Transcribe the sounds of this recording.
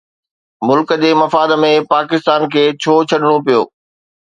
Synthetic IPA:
mʊlkəd͡ʑeːmɐfaːd̪mẽpaːkɪst̪aːnkʰeːt͡ɕʰoːt͡ɕʰɐɗɪɽ̃opijo̰ː

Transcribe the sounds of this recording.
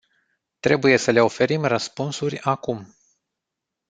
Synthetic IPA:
t̪ɾe̞buje̞səle̞o̞fe̞ɾimrəspunsurʲakum

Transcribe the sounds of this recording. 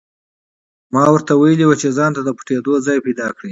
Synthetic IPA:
mɑwəɾt̪awajəliwət͡ʃezɑnt̪ad̪əpʊ̥ʈed̪ozɑjpajd̪ɑkɽi

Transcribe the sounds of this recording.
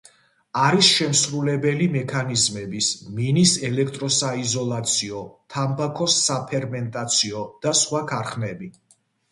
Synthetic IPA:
aɾisʃɛmsɾulɛbɛlimɛkʰanizmɛbisminisɛlɛk̚ʰt̪ʼɾɔsaizɔlˠat̪sʰiɔt̪ʰambakʰɔsːapʰɛɾmɛnt̪ʼat̪sʰiɔd̪̥asχwakʰaɾχnɛbi

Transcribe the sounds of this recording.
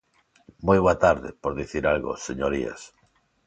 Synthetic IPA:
mojβoat̪aɾðepoɾðiθiɾalɣo̰seɲoɾia̰s

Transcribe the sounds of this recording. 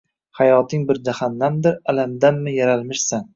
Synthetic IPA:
hajɒt̪ʰɪŋbɪɾd͡ʒahanːamd̪ɪɾalamd̪amːɪjaɾalmɪʃsan

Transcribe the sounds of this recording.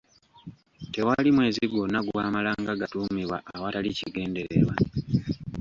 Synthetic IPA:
te̞walimwe̞ːziɡo̞naɡuβaːmalaːŋɡaɡatuːmiβwa̰ʔːwataliciɡe̞ːnde̞ɾḛβwa̰

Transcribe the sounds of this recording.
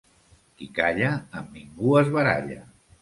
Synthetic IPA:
kikaʎaːmːiŋɡuəzβəɾa̰ʎə̰

